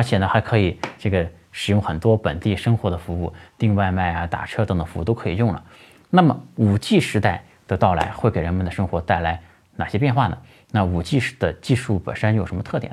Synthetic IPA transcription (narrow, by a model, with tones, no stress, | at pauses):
ə˧˥t͡ɕʰjɛ˨˩nə˦xa˧˥ɪkʰɤ˧˥i˨˩ʈ͡ʂɤ˥˩ɡə˩ | ʂɻ̩˨˩jʊ˥˩ŋxə˨˩nt̪wɔ˥pə˨˩nt̪i˥˩ʂɤ˥ŋxwɔ˧˥d̪ə˧fu˧˥u˥˩t̪i˥˧ŋwa˥˧ɪma˥˩ɪa˩t̪a̰˨˩ʈ͡ʂʰɤ˥t̪ɤ˨˧˥ŋt̪fu˧˥˩t̪o˥ʊkʰɤ˧˥i˨˩jʊ˥˩ŋlə̰˩ | na˥˩mə˩u˨˩t͡ɕi˥˩ʂɻ̩˧˥t̪a˥˩ɪ | d̪̥ə˨˧t̪ɑ˥˩ʊla̰˧˥ɪxwe˥˩ɪke˨˩ɪɻə˧˥nmə˨nd̪ə˩ʂɤ˥ŋxwɔ˧˥t̪a˥˩ɪla˧˥ɪ | na̰˨˩ɕjɛ˥pjnxwa˥˩nə̰˩ | na˥˩u˨˩t͡ɕi˥˧d̪̥ə˩t͡ɕi˥˧ʂu˥˩pə̰˨˩nʂə˥njo˨˩ʂə˧˥nmə˧t̪ʰɤ˥˩jɛ̰˨˩˦